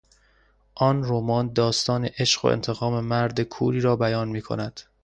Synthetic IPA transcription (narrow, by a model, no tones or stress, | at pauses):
ʔɒːnroːmɒːnd̪ɒːst̪ɒːneʔeʃɢo̰ʔḛnt̪ʰe̞ɣɒːme̞mæɾd̪ekʰṵːɾiːɾɒːbæjɒːnmiːkʰo̞̰næd̪̥